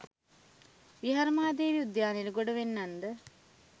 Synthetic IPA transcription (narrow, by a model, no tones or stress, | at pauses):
ʋiɦaɾmaːd̪eːʋiud̪jaːneluɡoɖəʋenːand̪ə